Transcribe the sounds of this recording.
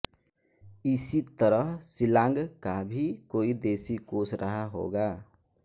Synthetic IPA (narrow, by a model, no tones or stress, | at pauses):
ɪsit̪əɾəɦsɪlãːŋɡkabʱikoːid̪eːsikoːsɾʔəɦaɦo̰ːɡaː